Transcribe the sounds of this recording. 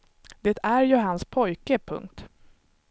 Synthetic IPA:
d̪̥eːt̪æɾjɵɦanspʰɔjkəpʰɵ̰ŋk̚t̪

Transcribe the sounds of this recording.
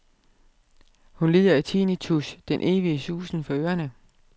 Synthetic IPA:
hunliːðˠɐit͡sʰinit͡sʰusd̥enʔe̝ːʋiəsuːsn̩fɒ̽øːɐnə

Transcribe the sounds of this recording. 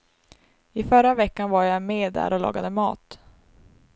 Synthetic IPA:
ɪfœɾavɛkːanvaɾjameːd̪æ̰ɾʔɔlɑ̰ːɡad̪əmɑ̰ːt̪

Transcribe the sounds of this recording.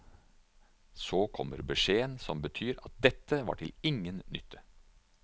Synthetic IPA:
soːkʰɔmə̰ɾbəʂeːənsɔmbət̪ʰyːɾɑt̪̚d̪ɛt̪ːəʋɑ̰ːʈʰɪlɪŋːənnʏt̪ʰːə

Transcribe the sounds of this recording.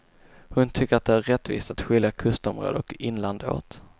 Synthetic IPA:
hɵnt̪ʰʏkːəɾat̪̚d̪ɛæɾːɛt̪ːvḭːst̪at̪ɧɪljakʰɵst̪ɔmɾo̰ːd̪əɔkɪnland̪əo̰ːt̪

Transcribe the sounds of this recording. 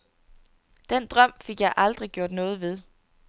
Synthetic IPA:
d̥en̰d̥ʁɶm̰fe̝ɡ̥jɑ̈ɪʔɑ̈ld̥ʁiɡ̥jo̝ɐ̰d̥nɔ̽ːð̞̩ˠʋe̝ð̞ˠ

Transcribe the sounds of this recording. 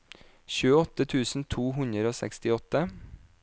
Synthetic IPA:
çʉːəɔt̪ət̪ʰʉːsn̩t̪ʰuːhʉnəɾoːsɛ̰kst̪ɪɔt̪ə

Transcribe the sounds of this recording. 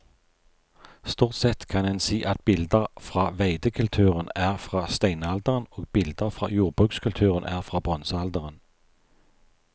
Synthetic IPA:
st̪uːʁt̪sɛt̪kʰɑnɛnsiːʔɑt̪̚bɪld̪əʁfʁɑːʋæɪd̪əkʰʉlt̪ʰʉːʁənæːʁfʁɑːst̪æɪnɑld̪əʁənoːɡ̚bɪld̪əʁfʁɑ̰ːjuːʁbʁʉːkskʰʉlt̪ʰʉːʁənʔæ̰ːʁfʁɑːbʁɔnsəɑld̪əʁən

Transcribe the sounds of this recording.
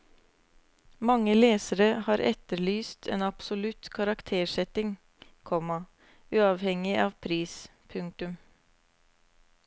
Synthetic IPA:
mɑŋəleːsəɾəhɑːɾʔɛ̰t̪əɭyːst̪ʰḛːnɑpsʊlʉt̪kʰɑɾɑkt̪ʰeːʂɛt̪ɪŋ | kʰɔmɑ | ʉːɑʋhɛŋɪʔɑːʋpʰɾiːspʰʉŋ̚t̪ʉm

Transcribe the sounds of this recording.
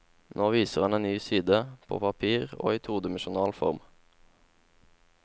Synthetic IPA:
noːʋiːsəʁɑneːnnyːsiːd̪əpʰo̰ːpʰɑpʰiːʁo̰ːiːt̪ʰuːd̪əməʃʊnɑːlfɔ̰ʁm

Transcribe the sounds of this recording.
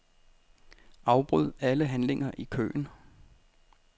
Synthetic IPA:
ɑ̈ʊb̥ʁuð̞̰ˠæləɦænle̝ŋɐʔikʰø̰ːn

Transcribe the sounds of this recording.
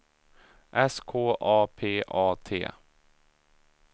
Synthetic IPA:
ʔɛskʰoːʔɑːpʰeːʔɑːt̪ʰḛː

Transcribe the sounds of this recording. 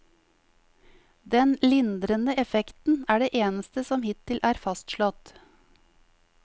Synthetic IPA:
d̪ɛnlɪnd̪ɾənəɛfɛkt̪n̩æːɖeːʔeːnəst̪əsɔmhɪt̪ʰɪlʔæːɾfɑst̪ʃlɔt̪

